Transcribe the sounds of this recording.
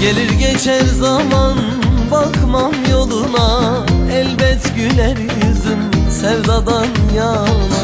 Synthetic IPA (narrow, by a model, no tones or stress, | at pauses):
ɟe̞lʲiɾɟet͡ʃʰæɾzaman | bakmamjo̞lˠuna | ɛlʲbɛt̪ɟylɛɾjyzymsɛvzad̪anjan